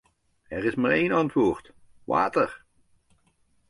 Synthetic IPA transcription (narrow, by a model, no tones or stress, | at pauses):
ɛɾɪsmaːɹejnɑntʋʊːɹt | ʋa̰ːtəɹ